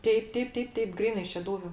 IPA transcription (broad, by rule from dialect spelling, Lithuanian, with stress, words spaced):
ˈtʲɛɪp ˈtʲɛɪp ˈtʲɛɪp ˈtʲɛɪp ˈɡrʲiːnɐɪ ʃʲɛˈduːʋʲʊ